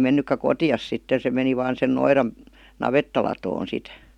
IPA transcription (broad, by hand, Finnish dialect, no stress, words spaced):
menːykːæ kotij̆ɑs sitːe se meni ʋɑːn sen noirɑn nɑʋetːɑlɑtoːn sit